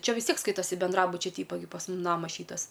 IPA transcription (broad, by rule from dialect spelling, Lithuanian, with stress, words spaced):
ˈt͡ʃʲɛ ʋʲɪs ˈtʲiɛk ˈskɐɪtɐsʲɪ bʲɛnˈdrɑːbʊt͡ʃʲɛ ˈtʲiːpɐ ɡʲɪ pɐs ˈmʊm ˈnɑːmɐs ˈʃʲiːtɐs